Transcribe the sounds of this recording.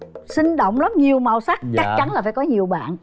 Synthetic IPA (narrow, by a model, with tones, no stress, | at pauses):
sï˧ŋ̟ɗo̰˧˨wŋ͡mla˨˦mɲi˨˩əwma˨˩wsa˦˥k̚t͡ɕa˦˥k̚t͡ɕa˨˦nlaː˨˩faː˧˩jkɔ˨˦ɲi˨˩əwɓa̰ː˧˨n